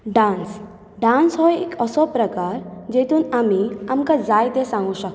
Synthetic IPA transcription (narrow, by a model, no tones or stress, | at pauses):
ɖãːns | ɖãːnsɦɔekɔsɔpɾɐkaːɾd͡ʒeːt̪unɐmiɐmkazaːjd̪esãːŋɡũʃɐk